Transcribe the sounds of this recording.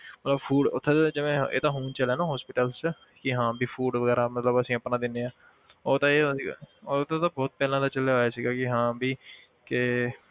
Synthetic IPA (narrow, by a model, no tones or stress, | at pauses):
mət̪ləbpʰuːɖʊt̪ʰːẽd͡ʒɪʋẽːḛːt̪ãːɦuːnt͡ʃəlɛːnãːɦɔːspɪːʈəlst͡ʃ | kɪɦãːbiːpʰuːɖʋəɡɛːɾaːmət̪ləbəsĩːəpnãːd̪ɪnːeːãː | oːt̪ãeːsioːt̪ʰãːt̪ãːbɔːt̪̚pɛːlãːt̪aːt͡ʃəleːoːjeːsiːɡaːkɪɦãːbiː | kɪ